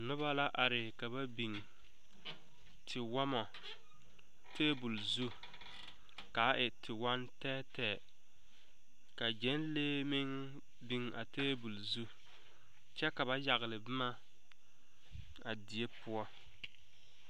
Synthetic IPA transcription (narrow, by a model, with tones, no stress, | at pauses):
nʊ˦βa˦la˦ʔa˨ɾɪ˨ka˨ba˦bi˨ŋ | tʰɪ˨wɔ˦mɔ˨ | tʰeː˦bu˨lzu˦ | ka˨˦ʔɪ˨tʰɪ˨wa˦ntɛː˦tɛː˨ | ka˨d͡ʒɛ˨˦nleː˦mɪ˦ŋ | bi˨ŋa̰˨teː˦bu˨lzu˦ | t͡ʃɛ˦ka˨βa˦ja˨ɣɪ˨lɪ˨bɪ˦ma˦ | a˨di˨e˦pʊ˦ɔ˦